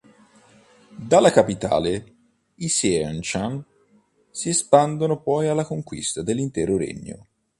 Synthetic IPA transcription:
d̪alːakapit̪a̰ːle | isɛnt͡ʃan | siespand̪onopɔjalːakoŋkwḭst̪ad̪elːint̪ɛːɾoɾḛɲːo̰

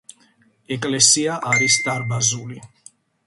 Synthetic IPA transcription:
ɛkʼlɛsiaʔaɾisd̪aɾbazuli

